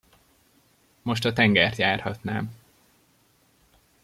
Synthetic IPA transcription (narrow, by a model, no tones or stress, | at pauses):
mo̞ʃt̪ɒt̪ɛŋɡɛrt̪jaːrhɒt̪naːm